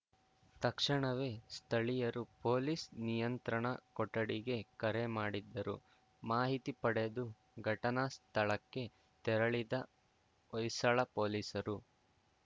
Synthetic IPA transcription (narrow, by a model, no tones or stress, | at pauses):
t̪ɐkʂɐɳɐʋe̞ːst̪ʰɐɭijɐɾupoːliːsnijɐnt̪ɾɐɳɐkɔʈːɐɽiɡe̞kɐɾemaːɽid̪ːɐɾṵ | maːɦit̪ipɐɽed̪u | ɡʱɐʈɐnɐst̪ʰɐɭɐkːe̞ | t̪ɛɾɐɭid̪ɐ | ɔjsɐɭɐpoːliːsɐɾu